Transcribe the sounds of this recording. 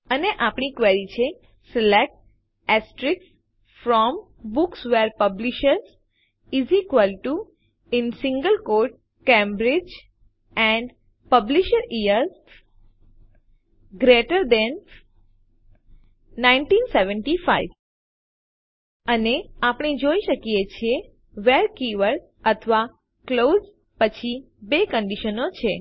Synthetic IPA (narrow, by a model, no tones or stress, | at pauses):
əneʔapɳikʋɛɾit͡ʃʰe | sɪlek̚ʈ | ɛsʈɾiks | fɾɔm | buksʋeɾpəbliʃəɾz | izikʋəlʈu | ɪnsɪ̃ŋɡəlkoɾʈ̚ | kẽmbɾid͡ʒ | ɛ̃ɳɖ | pəbliʃəɾijəɾ | ɡɾeʈəɾd̪ɛn | nainʈinseʋəɳʈifaiʋ | əneapɳ̃id͡ʒoiʃəkijet͡ʃʰie | ʋeɾkiʋəɭ | ət̪ʰʋa | klod͡ʒ | pət͡ʃʰi | bekəɳɖiʃənot͡ʃʰe